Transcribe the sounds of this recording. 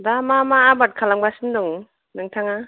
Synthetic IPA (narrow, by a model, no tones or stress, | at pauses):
damamaːbat̚kʰalaŋbasindɔŋ | nɯŋtʰaŋa